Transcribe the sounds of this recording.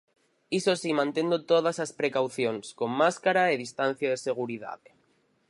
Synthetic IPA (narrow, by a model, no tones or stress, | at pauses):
isosimãnt̪end̪ot̪oð̞asaspɾekawθjonsko̞mːaskaɾaeðist̪an̟θjaðese̞ɣ̞uɾiða̰ð